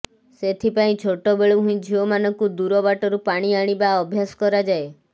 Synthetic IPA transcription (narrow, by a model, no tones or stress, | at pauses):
set̪ʰipaĩt͡ʃʰoʈɔbeɭuɦũĩd͡ʒʱiɔmanɔŋkud̪uɾɔbaʈɔɾupaɽ̃iaɽ̃ibaɔbʱjasɔ̥kɔɾad͡ʒae